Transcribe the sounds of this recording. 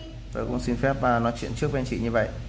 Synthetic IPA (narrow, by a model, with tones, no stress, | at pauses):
t̪əː˨˩jkʊ̰˧˥ŋ͡msi˧nfɛ˦˥p̚vaː˨˩nɔ˨˦jt͡ɕwḭ˧˨ənt͡ɕɨ˦˥ək̚ɓɛ˧nt͡ɕḭ˧˨ɲɨ˧və̰˧˨jʔ